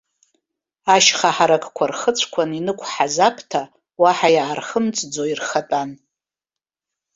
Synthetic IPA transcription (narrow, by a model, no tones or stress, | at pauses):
aʃχaħaɾakʼkʷʰarχət͡sʷʰkʷʰaninɨkʷʰħazapʰtʰa | waħajaːrχəmt͡sʼd͡zoirχatʼan